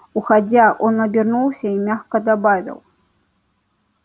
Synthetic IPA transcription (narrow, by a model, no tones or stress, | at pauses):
uxad͡zʲaʔɔnɐbʲirnuwsʲɐimʲaxkɐd̪abavʲḭw